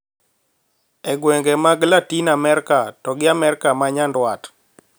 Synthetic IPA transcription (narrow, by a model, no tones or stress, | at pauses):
ɛɡwɛŋɡɛmaɡlatinamɛɾkatɔɡɪamɛɾkamaɲandwat